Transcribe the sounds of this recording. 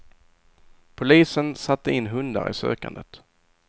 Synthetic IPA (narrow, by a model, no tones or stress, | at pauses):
pʰʊliːsənsat̪ʰːəɪnːɦɵnd̪aɾʔɪ̰sø̰ːka̰nd̪ət̪